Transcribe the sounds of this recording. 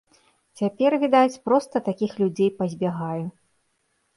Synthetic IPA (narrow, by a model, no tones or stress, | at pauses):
t͡sʲapʲɛrvʲid̪at͡sʲpɾɔst̪ɐt̪akʲixlʲud͡zʲejpɐzʲbʲaɣaju